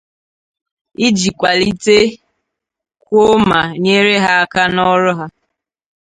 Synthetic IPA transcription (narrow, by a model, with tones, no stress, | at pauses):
i˦d͡ʒi˨kʷa˨li˦te˦ | kʷo˦ma˨ɲe˦ɾe˦ɦa˦ka˦nɔ˦ɾʊ˦ɦa˦